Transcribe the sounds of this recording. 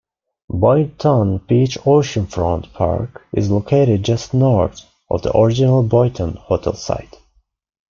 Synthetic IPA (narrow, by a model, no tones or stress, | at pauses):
bɔɪtʰə̃nb̥it͡ʃoʊʃə̃nfɹɔ̰̃ntpʰɑ̰ɹkɪ̰zlokʰeɪɾɪd̚d͡ʒʌstnɔɹθ | ʔɔ̰vðə̰ʔɔɹɪd͡ʒɪnəl̩ˠbɔɪtʰə̃nhotʰɛ̰lˠsa̰ɪt